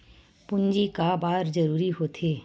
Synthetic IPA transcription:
pʊ̃nd͡ʒikabaːɾd͡ʒɐɾuːɾiɦoːt̪ʰeː

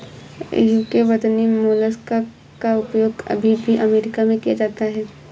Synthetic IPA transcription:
juːkeʋɐd̪nimoːləska | kaʊpjoːɡɐ̰bʱibʱiʔɐmeːɾɪkamẽkijad͡ʒaːt̪aɦɛː

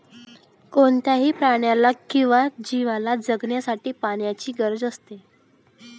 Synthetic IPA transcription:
koɳt̪jaɦiːpɾaɽjalakĩw̃ʋad͡ʑiʋalad͡zəɡɳjasaʈiːpaɳjat͡ɕiːɡəɾd͡zəst̪e

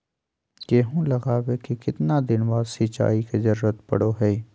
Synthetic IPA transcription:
keːɦũlɐɣaːwekikɪt̪nad̪ɪnbaːd̪sit͡ʃa̰ːikezɐɾːət̪pɐ̰ɽoɦɛ

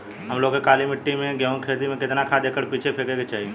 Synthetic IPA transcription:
ɦɐmloːɡekaːlimɪʈːimẽɡjaːʊ̃nkʰeːt̪imẽkɪt̪nakʰad̪eːkəɾpiːt͡ʃʰepʰeːkeket͡ʃaːɦie

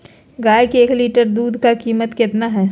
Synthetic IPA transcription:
ɡaːjkieːkliːʈəɾd̪uːd̪ʱkakiːmət̪kɪt̪naɦɛː

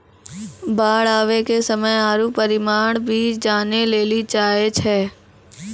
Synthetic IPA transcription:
baːɽaːʋekesəməjaːɾupəɾɪmaːɳ̃bʱiːt͡ʃd͡ʒaːneleːlit͡ʃaːet͡ʃʰɛː

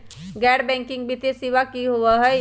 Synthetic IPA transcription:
ɡɛːɖbɛ̃ːŋkɪ̃ŋɡbit̪esiːʋakiɦoəɦɛ

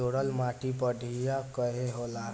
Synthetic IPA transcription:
oɽəlmaʈipəɖʱijakəɦeɦolaɾ

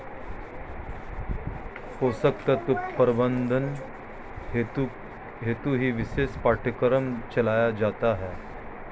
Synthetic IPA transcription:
kosək̚t̪ət̪upːəɾbənd̪ʱən | ɦet̪uɦiːʋisespaʈʰəkɾəmt͡ɕɐlajad͡ʑat̪aɦɛ

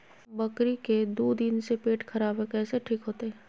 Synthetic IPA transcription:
bɐkɾiked̪uːd̪ɪnsepeːʈkʰɐɾaːbɦɛ̃kɛːseʈʰiːkɦoːt̪eɦɛ̃ː

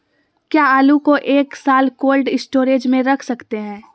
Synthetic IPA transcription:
kjaːaːlukoʔeːksaːlkoːlɖɪsʈoːɾeːd͡ʒmẽɾɐkʰsɐkt̪eɦɛ̃ː

